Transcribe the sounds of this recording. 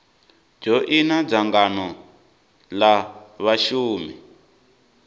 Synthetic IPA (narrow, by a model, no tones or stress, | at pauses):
d͡ʒɔʔinab͡ʐaŋɡanɔ | laβaʃuːmi